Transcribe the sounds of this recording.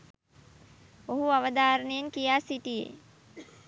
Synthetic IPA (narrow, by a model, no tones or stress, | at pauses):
oɦuaʋəd̪aːɾənejeŋkijaːsiʈijḛ